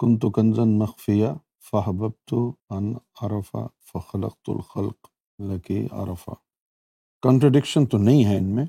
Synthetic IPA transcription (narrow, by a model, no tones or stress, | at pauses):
kʊnt̪ukɐnzɐnmɐxfɪja | fɐɦbɐb̚t̪uɐnɐɾɐfa̰fɐxɐlɐ̰q̚t̪ʊ̰lxɐlq | lɐkia̰ɾɐfa̰ | kɐ̃ɳʈɾɐɖɪkʃənt̪onɐɦĩɦɛɪnmẽː